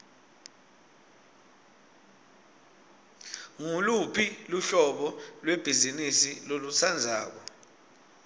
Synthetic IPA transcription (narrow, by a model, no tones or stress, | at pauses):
ŋulupʰiluɬɔɓɔlwɛb̥ʱizinisilolusʰand͡zʱa̰ːk̬ɔ